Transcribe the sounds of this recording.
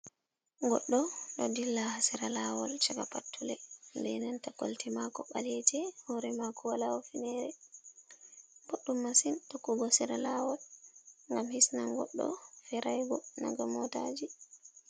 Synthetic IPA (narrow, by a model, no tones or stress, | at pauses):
ŋɡɔɗːɔɗɔdilːahasiɾalawɔlt͡ʃakapatʰːulɛndɛnantako̰ltimakɔɓalɛtɛhɔɾɛmakuwalawɔfinɛɾɛ | boɗːumːasintokːuɡɔsiɾalawɔlŋɡamhisnaŋɡɔ̰ɗːɔ̰fɛɾʔajɡɔna̰ɡamɔta̰d͡ʒi